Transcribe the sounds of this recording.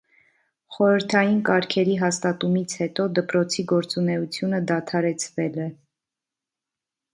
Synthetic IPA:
χɔɾəɾt̪ʰɑjinkɑɾkʰɛɾiɦɑst̪ɑt̪umit͡sʰhɛt̪ɔd̪əpɾɔt͡sʰiɡɔɾt͡sunɛut͡sʰjunəd̪ɑt̪ʰɑɾɛt͡sʰvɛlɛ

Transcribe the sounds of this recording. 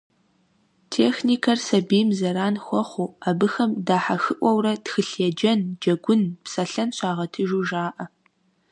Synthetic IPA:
tʰeːxniːkʰɐrsɐbiːmzɐɾaːnxʷɔχʷuabɨxɐmdaːħaxɨʔʷɔwrɐtxɨɬɛd͡ʒɐnd͡ʒɐɡʷʊnpsɐɬɐnɕaːʁɐtʰɨʒuːʒaːʔɐ

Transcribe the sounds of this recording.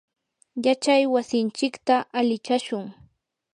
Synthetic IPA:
jat͡ʃajwasɪnt͡ʃɪkt̪aʔalɪt͡ʃaʃʊŋ

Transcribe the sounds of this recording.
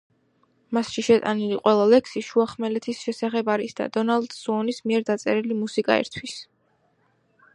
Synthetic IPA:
masʃiʃɛt̪ʼa̰niliqʼwɛlˠalɛksiʃuaχmɛlɛt̪ʰisʃɛsaχɛbaɾisd̪a̰d̪ɔnald̪suɔnismiɛɾd̪at̪sʼɛɾilimusikʼa̰ɛ̰ɾt̪ʰwis

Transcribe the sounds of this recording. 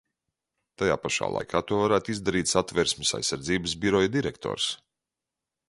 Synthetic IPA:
t̪aja̰ːpaʃa̰ːlˠa̰jkʰaːt̪uɔvaɾæːt̪ʊizd̪aɾiːt̪ʲsat̪vɛɾsmɪsa̰jsːaɾd̪ziːbəsbʲiɾɔjd̪iɾɛkt̪ʰɔ̰ːɾs

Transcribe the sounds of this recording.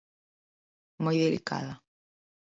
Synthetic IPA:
mojðelḭka̰ðɐ

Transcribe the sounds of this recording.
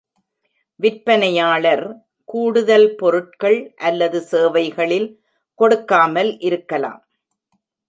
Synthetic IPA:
ʋɪɾpɐnɐjaːɭɐɾ | kuːɽɯðɐlpɔɾɯʈ̚kɐɭʔɐlːɐðɯseːʋɐɪɣɐɭɪl | kɔɽɯkːaːmɐlʔɪɾɯkːɐla̰ːm

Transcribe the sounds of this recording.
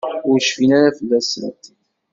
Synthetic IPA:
ʊɾʃfinæɾæfəlːæsɾə̰t̪

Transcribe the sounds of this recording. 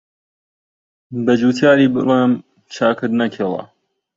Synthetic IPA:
bɐd͡ʒuːt̪ʰjaːɾiːbɨ̰leːm | t͡ʃʰaːkɨd̪nɐkʰeːlˠɐ̰

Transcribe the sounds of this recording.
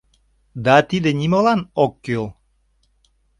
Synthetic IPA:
d̪at̪id̪enʲimolɑnokːølˠ

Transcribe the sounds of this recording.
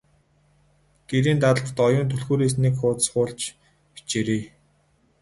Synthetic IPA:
ɡ̥eɾiːnt̪aɮə̆rt̪ɔjʊːnt̪ʰɵɮxuːɾeːs̬nekχʊːt̪sχʊːɮt͡ɕ | pi̥t͡ɕeɾeː

